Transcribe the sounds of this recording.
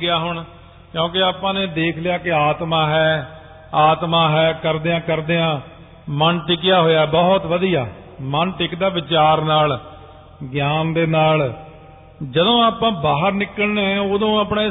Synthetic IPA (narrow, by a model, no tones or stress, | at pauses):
ɡɪjaːɦʊɳ | kjõːkɪaːpãːnẽːd̪eːkʰlɪjaːkɪaːt̪mãːɦɛː | aːt̪mãːɦɛːkəɾd̪eːãːkəɾd̪eːãː | mənʈɪkɪjaːɦoːjaːɛbɔːt̪ʋəd̪ija̰ː | mənʈɪkd̪aːʋɪt͡ʃaːɾnaːl | ɡjaːnd̪eːnaːl | d͡ʒəd̪õːaːpãːbaːɦəɾnɪkːəlneɛ̃oːd̪õːaːpneː